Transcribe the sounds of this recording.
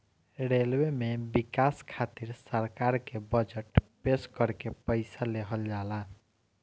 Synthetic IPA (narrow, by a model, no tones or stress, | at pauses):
ɾelwemebikaskʰat̪iɾsəɾkaɾkebəd͡ʒəʈpeskəɾkepəɪsaleɦəld͡ʒala